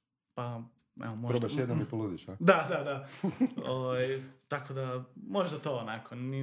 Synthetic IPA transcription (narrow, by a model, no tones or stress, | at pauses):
pa | ɛ̰omoɾaʃjed̪namipolud̪iʃad̪ad̪ad̪a | oʋajt̪ako̞d̪amoʒd̪at̪oːnakʰoni